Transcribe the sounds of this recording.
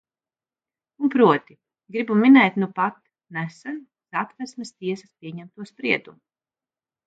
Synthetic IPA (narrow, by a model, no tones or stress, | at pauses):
unpɾuɔt̪i | ɡɾibuminɛjt̪nupat̪ | næsɛn | sat̪væsmɛst̪iɛsɐ̥spʲiɛɲæmt̪uɔspɾiɛd̪umu